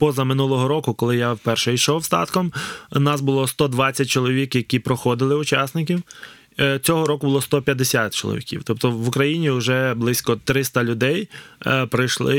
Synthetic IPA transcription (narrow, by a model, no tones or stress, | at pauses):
pɔzɐmɪnulˠɔɦɔɾɔkʊkɔlˠɪjawpɛrʃɛijʃɔwst̪ɑ̰t̪kɔmnɑsbʊlˠɔst̪ɔd̪ʋɑt͡sʲːɐt̚ʲt͡ʃɔlˠɔʋʲikjɐkʲipɾɔxɔd̪ɪlˠɪʊt͡ʃɑsnɪk̬ʲiw | t͡sʲɔɦɔɾɔkʊbʊlˠɔst̪ɔpʲjɐd̪esʲat̪t͡ʃɔlˠɔ̰ʋʲḭkʲḭwt̪ɔpt̪ɔʋʊkɾɐjinʲiʊʒɛblˠɪsʲkɔt̪ɾɪst̪ɐlʲʊd̪ɛjpɾɪjʃlˠɪ